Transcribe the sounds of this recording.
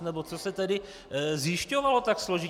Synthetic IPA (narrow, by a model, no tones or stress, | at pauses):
nɛbot͡sosɛt̪ɛdɪ | zjɪʃcovalot̪aksloʒi